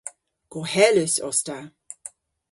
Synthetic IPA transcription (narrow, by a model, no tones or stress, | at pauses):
ɡ̥ohɛløsɔsta